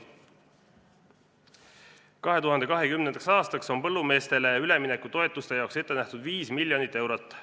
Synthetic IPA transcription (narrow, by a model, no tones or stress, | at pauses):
kɑɦe̞t̪uɦɑnd̪e̞kɑɦe̞kymnend̪ɑksɑːst̪ɑkso̞npɤ̞lːume̞ːst̪e̞leyle̞mine̞kːˑut̪o̞e̞t̪ːˑust̪e̞jɑokse̞t̪ːe̞næht̪ud̪viːsmilʲːjo̞nit̪ːˑe̞wɾot̪ːˑ